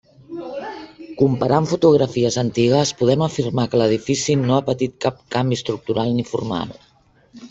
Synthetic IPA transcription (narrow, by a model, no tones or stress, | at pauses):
kumpəɾʔaɱfut̪uɣ̞ɾəfiəzənt̪iɣəspuðɛməfirmakələð̞ifisinoapət̪it̪̚kap̚kambist̪ɾuk̚t̪uɾalˠnifṵrma̰lˠ